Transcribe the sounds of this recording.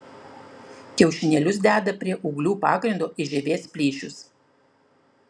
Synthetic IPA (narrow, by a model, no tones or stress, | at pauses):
kʲɛʊʃʲɪnʲɛlʲʊsd̪ʲæːd̪ɐpʲɾʲiɛʔʊɡlʲuːpɑːɡɾʲɪnd̪oːʔɪʒʲɛʋʲeːspʲlʲiːʃʲʊs